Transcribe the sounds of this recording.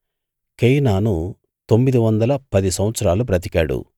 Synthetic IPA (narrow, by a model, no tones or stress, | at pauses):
kejnaːnu | t̪o̞mːid̪iʋɐnd̪ɐlɐpɐd̪isɐmʋɐt̪sɐɾaːlup̬ɾɐt̪̬ikaːɽṵ